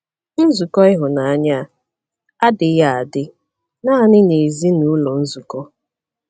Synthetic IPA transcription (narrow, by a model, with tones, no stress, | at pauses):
n̩˦zu˨kɔ˦ɪ˦ɦʊ˨na˨a˦ɲa˦˨ | a˦dɪ˨ja˨a˨dɪ˦ | na˦a˦˨nɪ˦ne˨zi˦nu˨˦ʊ˦lɔ˨n̩˦zu˨kɔ˦